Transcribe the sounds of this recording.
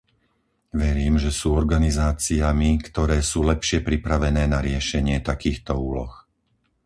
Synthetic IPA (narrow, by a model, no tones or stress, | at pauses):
ʋɛɾiːmʒɛsuːɔɾɡanizaːt͡siamikt̪ɔɾɛːsuːlɛpʃɪɛpɾipɾaʋɛnɛːnaɾɪɛʃɛɲɪɛt̪akiːxt̪ɔuːlɔ̰x